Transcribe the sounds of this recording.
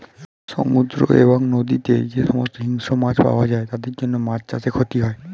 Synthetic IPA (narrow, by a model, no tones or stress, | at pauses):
ʃo̰mud̪ɾo̰ʔeboŋnod̪it̪ed͡ʑeʃɔmost̪oɦiŋʃomãd͡ʑpa̰oad͡ʑaet̪ad̪eɾd͡ʑonːomãt͡ɕt͡ɕat͡ɕʰekʰot̪iɦɔe